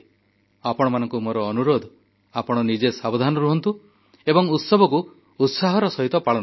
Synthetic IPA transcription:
apɔɽ̃ɔmanɔŋkumoɾɔːnuɾod̪ʱɔ | apɔɽ̃ɔnid͡ʒesabod̪ʱanɔɾuɦɔnt̪u | ebɔŋut̪sɔbʱɔku | ut̪saɦɔɾɔsɔɦit̪ɔpaɭɔn

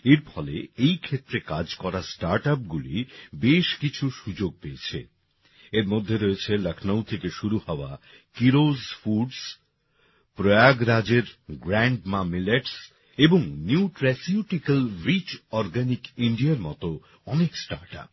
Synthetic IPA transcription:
eɾfʰɔlḛejkʰet̪ːɾekad͡ʑkɔɾasʈaɾʈap̚ɡulḭbeʃkit͡ɕʰuʃud͡ʑoɡ̚peet͡ɕʰḛ | eɾmod̪ʱːeɾoet͡ɕʰeləkʰnawt̪ʰekeʃuɾuhɔoa | kiɾozfuɖs | pɾojaɡɾad͡ʑeɾɡɾaɳɖmamileʈs | eboŋniuʈɾɛsiuʈikalɾit͡ɕɔɾɡanikiɳɖiaɾmɔ̰t̪o | ɔneksʈa̰ɾʈa̰p̚

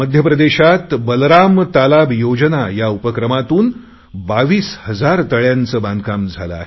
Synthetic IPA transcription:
məd̪ʱjəpɾəd̪eɕat̪bəlɾamt̪alabjod͡ʑnajaupəkɾəmat̪uːn | baʋiːshəd͡zaɾt̪əɭjant͡səːbãnd̪kamd͡zʱaləa̰ɦe

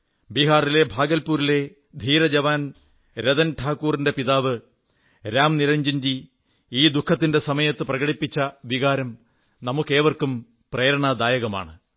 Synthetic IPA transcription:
biɦaːrile̞bʱaːɡɐlpuːɾile̞ | d̪ʱiːɾɐd͡ʑɐʋaːn | ɾeðɐnʈʰaːkːuːrinde̞piðaːʋɨ | ɾaːmniɾɐɲd͡ʑind͡ʑi | iːd̪ukʰːɐt̪ːinde̞sɐmɐjɐt̪ːɨprɐɣɐɽipːit͡ɕːɐʋiɣaːɾɐm | nɐmukːe̞ːʋɐrkum | preːɾɐɳad̪aːjɐɣɐma̰ːɳɨ

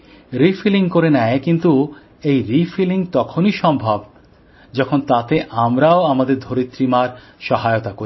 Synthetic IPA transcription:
ɾifiliŋkoɾenɛekint̪u | ejɾifiliŋt̪ɔkʰoniʃɔmbʱab | d͡ʑɔkʰont̪at̪eʔamɾaoamad̪eɾd̪ʱoɾit̪ːɾimaɾ | ʃɔɦaeot̪ako

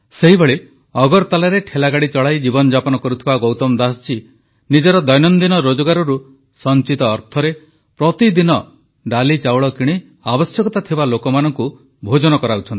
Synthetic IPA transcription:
seɦibʱeɭi | ɔɡɔɾt̪alaɾeʈʰelaɡaɽit͡ʃɔɭajd͡ʒibɔnɔd͡ʒapɔnɔkɔɾut̪ʰibaɡowt̪ɔmd̪ast͡ʃi | nid͡ʒɔɾɔd̪ɔjnɔnd̪inɔɾod͡ʒɔɡaɾɔɾu | sɔnt͡ʃit̪ɔːɾt̪ʰɔɾe | pɾɔt̪id̪inɔ | ɖalit͡ʃawɭɔkiɽ̃i | abɔsjɔkɔt̪at̪ʰibalokɔmanɔŋku | bʱod͡ʒɔnɔkɔɾaut͡ʃʰɔnt̪i

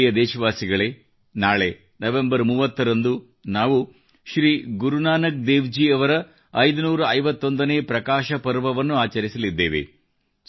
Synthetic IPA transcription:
jɐd̪ɛːʃɐʋaːsiɡɐɭeː | naːɭe̞ | nɐʋe̞mbɐɾmuːʋɐt̪ːɐɾɐnd̪u | naːʋu | ʃɾiːɡuɾunaːnɐk̚d̪eːʋd͡ʒiɐʋɐɾɐ | ɐjd̪unuːɾɐɐjʋɐt̪ːo̞nd̪ɐneːpɾɐkaːʃɐpɐɾʋɐʋɐnːuaːt͡ʃɐɾisɐlid̪ːḛːʋe̞̰

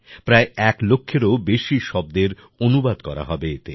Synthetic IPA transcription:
pɾaeɛklokʰːeɾobeʃiʃɔb̚d̪eɾ | onubad̪kɔɾa̰ɦɔbeet̪e

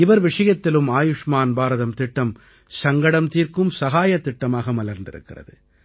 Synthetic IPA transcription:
ɪʋɐɾʋɪʂɐjɐt̪ːɪlɯmaːjɯʂmaːnbaːɾɐðɐmt̪ɪʈːɐm | sɐŋɡɐɽɐmt̪iːɾkɯmsɐɣaːjɐt̪ːɪʈːɐmaːɣɐmɐlɐɾnd̪ɪ̰ɾɯ̰kːɪrɐ̰ðɯ

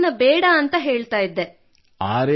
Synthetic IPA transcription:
nːɐbɛːɽɐːnt̪ɐɦeːɭt̪aːjid̪ːe | aːɾe

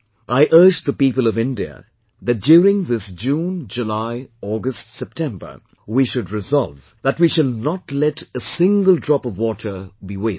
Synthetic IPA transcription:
ʔaɪʔɜ˞d͡ʒðəpiːpəlˠʌvɪ̃ndiə̰ | ðɨt̚djuɾɪ̃ŋðɪsd͡ʒũːnd͡ʒɨlaɪɔɡəstsɛp̚tʰɛ̃mbə̰˞ | wiʃʊdɹɨzɑlˠv | ðətwiʃɨlˠnətlɛɾəsɪ̃ŋɡəlˠdɹɔpʌvwɔtʰə˞biweɪ

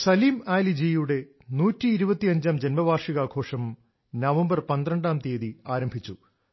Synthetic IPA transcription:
sɐliːmaːlid͡ʑeːjuɽe̞ | nuːtːiːɾubɐt̪ːiɐɲd͡ʑaːmd͡ʑenmɐbʱaːrʂiɣaːɡʱo̞ːʂɐm | nɐʋɐmbɐrpɐnd̪rɐɳɖaːmt̪eːðiaːɾɐmbʱit͡ɕːu

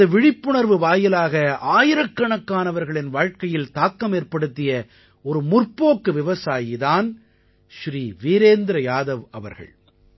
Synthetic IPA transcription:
ɐʋɪɻɪpːʊɳɐɾʋɯʋaːjɪlaːɣɐaːjɪɾɐkːɐɳɐkːaːnɐʋɐɾɣɐɭɪnʋaːɻkɐjɪlt̪aːkːɐmeːɾpɐɽɯt̪ːɪjɐ | ɔɾɯmʊrpoːkːɯʋɪʋɐsaːjɪðaːn | ʃɾiːʋiːɾeːnd̪ɾɐjaːðɐʋɐʋɐ̰ɾɣɐ̰ɭ

